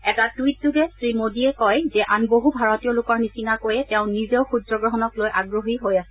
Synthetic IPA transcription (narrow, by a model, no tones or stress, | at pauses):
ɛtatwit̚duɡɛsɹimodiɛkɔjzɛʔanboɦubʱaɹotijɔlʊkɔɹnisinakojɛtɛʊ̃nizeʊxudɹɔɡɹɔɦɔnɔklojʔaɡɹoɦiɦojasɛ